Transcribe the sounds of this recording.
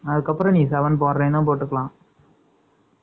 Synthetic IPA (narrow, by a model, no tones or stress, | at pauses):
ɐðɯkːɐpːɾɐ̃nĩːsɐʋɐnp̬oːɾɾẽːnɐp̬oːʈːɯkːɐɭãː